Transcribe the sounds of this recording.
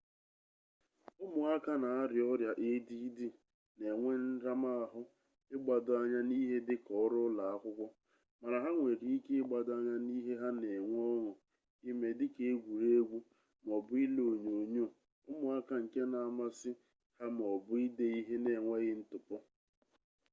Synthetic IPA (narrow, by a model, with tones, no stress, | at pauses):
ʊ˦mʊ˨a˦ka˦na˨a˦ɾɪ˨ɔ˦ɾja˨ʔe˦di˦di˦ | ne˨ŋʷe˦n̩˦ɾa˦ma˦a˨ɦʊ˦ | ɪ˦ɡ͡ba˨dʊ˨a˦ɲa˦ni˦ɦe˦dɪ˦kɔ˨˦ɾʊ˦la˨a˦kʷʊ˦kʷɔ˦ | ma˨ɾa˨ɦa˦ŋʷe˨ɾi˨˦i˦ke˦ɪ˦ɡ͡ba˨dʊ˦a˦ɲa˦ni˦ɦe˦ɦa˦ne˨ŋʷ˦ɔ˦ŋʊ˨ | i˦me˨dɪ˦ke˦e˦ɡʷu˨ɾe˦ɡʷu˦ | m˨ɔ˨bʊ˦i˦lo˨ɲo˨ɲo˦˨ | ʊ˦mʊ˨a˦ka˨ŋ̩˨ke˦na˨a˨ma˦sɪ˦ | ha˦m˨ɔ˨bʊ˦i˦de˦i˦ɦe˦ne˨ŋʷe˦ɣɪ˦n̩˦tʊ˨pɔ˦